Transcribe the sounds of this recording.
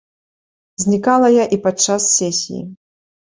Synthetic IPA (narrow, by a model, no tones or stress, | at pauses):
zʲnʲikalˠɐjaʔipat͡ʂasːʲɛsʲḭjḭ